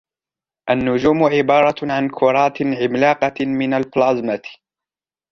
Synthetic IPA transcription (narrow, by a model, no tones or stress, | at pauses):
ʔanːʊd͡ʒuːmʕɪbɑːɾˤɑʕankʰʊɾˤɑːt̪ʕɪmlaːqɑmɪnalflaːzmat̪